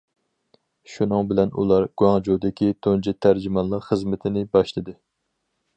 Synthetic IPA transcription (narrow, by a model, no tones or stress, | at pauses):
ʃunɨŋbɪlɛnṵlˠɑɾɡ̥uɑŋd͡ʒod̪ɪkʲʰit̪ʰond͡ʒit̪ʰæɾd͡ʒimɑnlˠəqχəzmɪt̪ʰɪnɪbɑʃlˠɨd̪ɨ